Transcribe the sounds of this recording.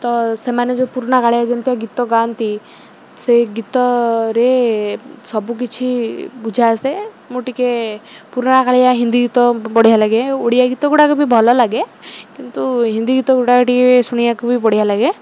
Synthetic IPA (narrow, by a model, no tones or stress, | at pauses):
t̪ɔsemaned͡ʒopuɾɽ̃akaɭijad͡ʒɔnt̪iaɡit̪ɔɡant̪i | seɡit̪ɔɾe | sɔbuk̬it͡ʃʰibud͡ʒʱase | muʈikepuɾɽ̃akaɭijaɦind̪iɡit̪ɔpɔɽ̤iɦalaɡeoɽijaɡit̪ɔɡuʈakubʱibʱɔlɔlaɡekint̪uɦind̪iɡit̪ɔɡuɽakɔʈikesuɽ̃ijakubʱipɔɽ̤iɦalaɡe